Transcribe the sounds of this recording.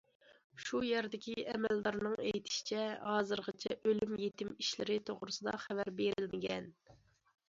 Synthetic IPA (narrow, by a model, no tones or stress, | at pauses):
ʃujæɾd̪ɪkʲiʔɛmɛld̪ɑɾnɨŋejt̪ʰɪ̥ʃi̥t͡ʃʰɛhɑːzɨɾʁət͡ʃʰɛʔølymjet̪ʰɪmiʃlɪɾɪt̪ʰoʁɾɨsɨd̪ɑ̰χævæɾbeɾɪlmɪɡʲɛn